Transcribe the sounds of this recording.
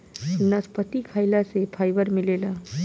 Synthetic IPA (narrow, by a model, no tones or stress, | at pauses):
nəspət̪ikʰajlasepʰajbəɾmɪlela